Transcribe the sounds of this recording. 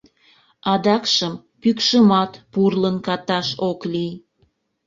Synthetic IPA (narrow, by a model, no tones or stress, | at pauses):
ɑd̪ɑkʃəm | pykʃəmɑt̪purlənkɑt̪ɑʃoklij